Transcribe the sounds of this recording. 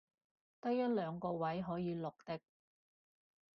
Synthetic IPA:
t̪ɐ˥kjɐ˥t̚lœː˨˧ŋkɔː˧wɐ˨˥jɦɔː˨˥jiː˨˧lʊ˨k̚t̪ɪ˥k̚

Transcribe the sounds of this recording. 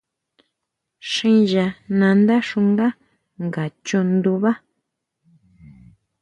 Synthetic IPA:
ʂĩ˦ʒa˧nã˧nd̪a˦ʂu˧ŋɡa˦ | ŋɡa˨t͡ʃo˧nd̪u˧βa˦

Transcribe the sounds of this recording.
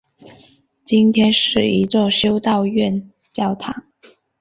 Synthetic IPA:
t͡ɕi˥nt̪ʰjɛ˥nʂɻ̩˥˩i˧˥t͡swɔ˥˩ɕjo˥ʊt̪ɑ˥˧ʊɥɛ˥˩n | t͡ɕjɑ˥˩ʊt̪ʰɑ̰˨˥˦ŋ

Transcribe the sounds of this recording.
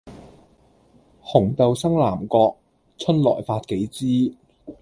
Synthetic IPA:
hʊ˨˩ŋt̪ɐ˨˧wsɐ˥ŋlaː˨˩mkɔː˧k̚ | t͡ʃʰɵ˥nlɔ̰ː˨˩jfaː˧t̚ke˨˥jt͡siː˥

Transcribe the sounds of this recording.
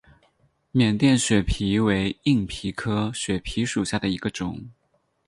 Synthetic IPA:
mjɛ˨˩nt̪jɛ˥˩nɕɥɛ˨˩pʰi˧˥we˧˥ɪi˥˩ŋpʰi˧˥kʰɤ˥ɕɥɛ˨˩pʰi˧˥ʂu˨˩ɕja˥˩d̪ə˩i˧˥ɡə˧ʈ͡ʂʊ˨˩˦ŋ

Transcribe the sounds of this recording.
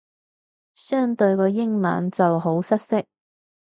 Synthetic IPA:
sœː˥ŋt̪ɵ˧ɥkɔː˧jɪ˥ŋma̰ː˨nt͡sɐ˨wɦo˨˥wsɐ˥t̚sɪ˥k̚

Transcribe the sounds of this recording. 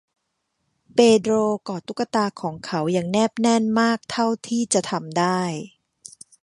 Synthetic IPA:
peː˧dɾoː˧kɔː˨˩t̪u˦˥kːa˧t̪aː˧kʰɔː˩˦ŋkʰa˦˥wjaː˨˩ŋnɛː˥˩p̚nɛ˥˩nmaː˥˩k̚t̪ʰa˥˩wt̪ʰiː˥˩t͡ɕa˨˩t̪ʰa˧mdaː˥˩j

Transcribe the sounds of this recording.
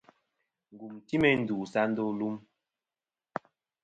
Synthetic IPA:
ŋ̩˨ɡu˨mti˦mɛ˨n̩˨duː˨sa˦n˦do˦lu˦m

